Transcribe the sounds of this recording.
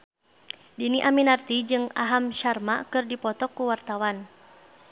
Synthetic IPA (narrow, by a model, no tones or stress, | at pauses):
diniʔaminart̪id͡ʒɨŋa̰ɦamʃarma̰kɨrdipɔt̪ɔkːuwart̪awan